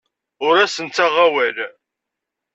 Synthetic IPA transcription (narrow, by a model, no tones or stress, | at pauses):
ʊɾæsənt̪ːæʁæwæl